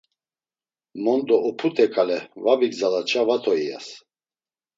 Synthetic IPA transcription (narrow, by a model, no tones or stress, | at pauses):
mɔnd̪ɔɔpʰut̪ʰɛkʰʼalɛvabiɡzalat͡ʃʰʼavat̪ʰɔija̰s